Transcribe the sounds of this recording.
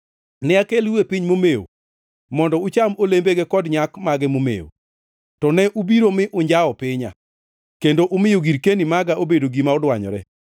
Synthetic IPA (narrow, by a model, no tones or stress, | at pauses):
nɪakeliwepiɲmomeo̰ | mɔndɔʊt͡ʃamolembeɡekɔdɲakmaɡɛmomḛo̰ | tɔnɛʔubiɾomɪʔʊɲd͡ʒaɔpɪɲa̰ | kendoʔʊmɪjoɡiɾkenimaɡaʔobedoɡimaɔdwaɲɔ̰ɾɛ